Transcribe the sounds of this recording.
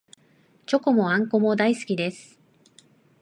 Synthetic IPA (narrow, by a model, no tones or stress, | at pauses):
t͡ɕo̞ko̞mo̞ãŋko̞mo̞d̪aisɨ̥kʲid̪e̞sɨ̥